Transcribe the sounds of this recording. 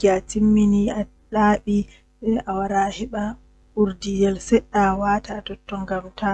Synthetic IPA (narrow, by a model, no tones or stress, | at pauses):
ɡatimːinia | ɗaːɓi | ɛʔawaɾahɛɓa | uɾdidɛlsɛɗːawaːtaːtɔtːɔŋɡamta